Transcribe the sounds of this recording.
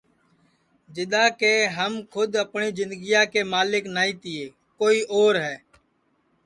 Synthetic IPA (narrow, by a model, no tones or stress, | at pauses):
d͡ʒɪɗ̪ãːkeːɦəmkʰʊd̪əpɳiːzɪnd̪ɡijaːkeːmaːlɪknaːĩːt̪ɪːeː | koːiːʔoːɾɦɛː